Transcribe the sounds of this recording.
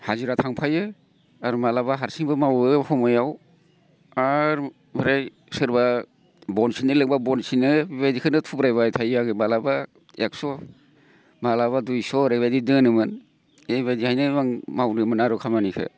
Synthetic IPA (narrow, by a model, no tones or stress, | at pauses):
haziɾatʰaŋpʰajɯ | aɾmalabaɦaɾsiŋbɯmawɯhɔmɔjaw | aɾ | bɯɾaj | sɯɾba | bɔnsinɯlɯŋbabɔnsinɯbajdikʰɯnɯtʰubɾajbajtʰajaɡɯmalaba | ek̚sɔ | malaβadujsɔɾajβajdidɯnɯmɯn | ebajdihajnɯmaŋmawɾɯmɯnaɾɔkʰamanikʰɯ̰